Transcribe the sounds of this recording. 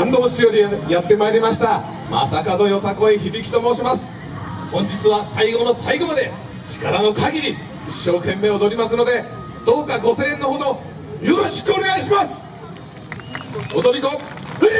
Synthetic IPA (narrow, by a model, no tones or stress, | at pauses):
ãnd̪oɦoɕijoɾʲijat̪ːe̞maeɾʲimaɕi̥t̪a | ma̰sakano̞jo̞sako̞içibʲikʲi̥t̪o̞mo̞ːɕimasɨ̥ | hõ̞ɲ̟d͡ʑit͡sɨβasaiɡo̞nosaiɡo̞mad̪e̞ | ɕi̥kaɾano̞kaɡʲiɲ̟ʲi | iɕːo̞ːkẽ̞mːe̞ːo̞d̪o̞ɾʲimasɨno̞d̪e̞ | d̪̥o̞ːkaɡo̞sẽ̞ːnːoɦod̪o | jo̞ɾo̞ɕi̥kɯ̟o̞ne̞ɡaiɕimasɨ̥ | od̪o̞ɾʲiko